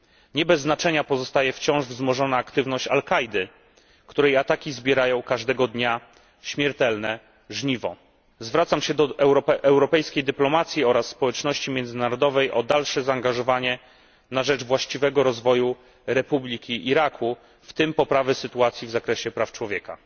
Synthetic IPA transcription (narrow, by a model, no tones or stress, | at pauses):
ɲɛbɛzːnat͡ʂɛɲapɔzɔst̪ajɛft͡ɕɔ̃w̃ʐvzmɔʐɔnaːkt̪ɘvnɔɕt͡ɕalkajd̪ɘ | kt̪uɾɛjat̪akʲizbʲjɛɾajɔ̃w̃kaʐd̪ɛɡɔd̪ɲa | ɕmʲjɛɾt̪ɛlnɛ | ʐɲivɔ | zvɾat̪samɕɛd̪ɔɛwɾɔɛʔɛwɾɔpɛjskʲejd̪ɘplɔmat̪sʲjiɔɾasːpɔwɛt͡ʂnɔɕt͡ɕimʲjɛnd̪zɘnaɾɔd̪ɔvɛjʔɔd̪alʂɛzaːŋɡaʐɔvaɲɛ | naʐɛd͡ʐvwaɕt͡ɕivɛɡɔɾɔzvɔju | ɾɛpublʲikʲiʔːɾakʰu | ft̪ɘmpɔpɾavɘsɘt̪uat̪sʲjivzakɾɛɕɛpɾaft͡ʂwɔvʲjɛka̰